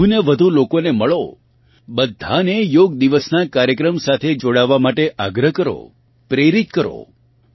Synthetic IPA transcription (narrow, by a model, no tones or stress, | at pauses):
uneʋəd̪ʱulokoneməɭo | bəd̪ʱːanejoɡd̪iʋəsnakaɾjəkɾəmsat̪ʰed͡ʒoɽaʋːamaʈeʔaɡɾəɦkəɾo̰ | pɾeɾit̪̚kəɾo̰